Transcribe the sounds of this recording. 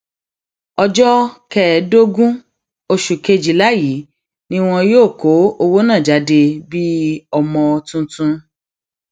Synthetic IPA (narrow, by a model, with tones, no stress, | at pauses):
ɔ˧d͡ʒɔ˦kɛ˨˦do˦ɡũ˦ | o˧ʃu˨ke˧d͡ʒi˨la˨˦ji˨˦ | nĩ˦w̃ɔ̃˧joː˦˨ko˨˦o˧wo˦nãː˦˨d͡ʒa˨˦de˧bi˦ɔ˧˨mɔ̃˧o˧tũ˧tũ˧